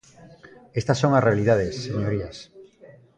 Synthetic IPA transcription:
est̪asːoŋasrealið̞að̞esːeɲoɾias

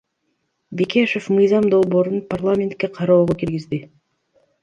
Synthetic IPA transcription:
bekʲʰeʃo̞fmɯjzɑmd̪o̞lˠbo̞ːɾunparlˠamʲe̞nt̪̚kʲe̞qʰɑɾoːʁokiɾɡizd̪ɪ

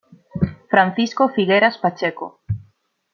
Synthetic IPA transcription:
fɾan̟θiskofiɣeɾaspat͡ʃeko̰

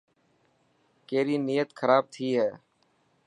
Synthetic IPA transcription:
keːɾiːniːjət̪kʰəɾaːb̚t̪ʰiːɦɛː

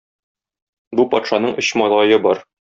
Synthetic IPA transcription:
bupɒt̪ʃɑnɤɴʔɵ̆ɕmɒlˠɑjɤbɒɾ

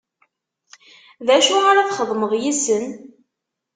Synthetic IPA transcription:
ðæʃʊʁaɾaθχəðˤməðjisən

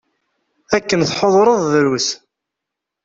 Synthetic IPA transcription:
ækːənθħoðˤɾˤəðˤðɾus

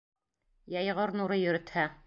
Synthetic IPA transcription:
jɑjʁɤɾnuɾɤjɵ̆ɾɘ̆t̪hæ

